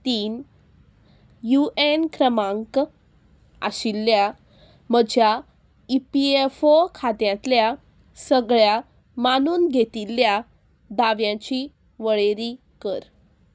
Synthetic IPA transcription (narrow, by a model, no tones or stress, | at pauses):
t̪iːn | juenkɾəmãŋk | a̰ɕilːja | məd͡ʑʱja | ipiefokʰat̪jãt̪lja | səɡɭja | manuːnɡʱet̪ilːja | d̪aʋjãt͡ɕi | ʋəɭeɾiː | kəɾ